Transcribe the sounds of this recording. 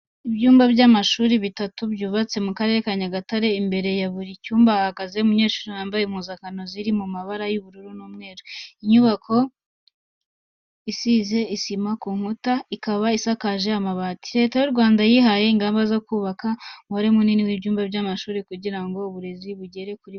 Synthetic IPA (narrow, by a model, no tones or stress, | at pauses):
ibɟuːmbabɟamaʃuːɾiβitatubjuːβat͡se̞mukaɾe̞ɾekaɲaɡataɾe̞imbe̞ɾe̞jaβuɾicuːmbahaɡaze̞umuɲe̞ːʃuːɾiwaːmbajem̥huzakano̞ziɾimumaβaɾajuβuɾuɾunuːmŋe̞ːɾoiɲuβakʰo̞ | isize̞isimakuːŋ̥hutaikaβaisakaʒe̞amaβati̥ɾe̞tajuɾɡwaːndajiɦaje̞iŋɡaːmbazo̞kuːβakaŋwaɾemuniniwibɟuːmbabɟamaʃuːɾikuɟiɾaŋɡo̞uβuɾe̞ziβuɟe̞ɾe̞kuɾi